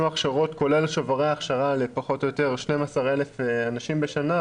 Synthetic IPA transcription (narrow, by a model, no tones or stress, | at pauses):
maχʃaʁo̞tko̞le̞lʃovaʁejaːχʃaʁalepaχo̞tojo̞teʁʃnemasaʁelefanaʃimbeʃana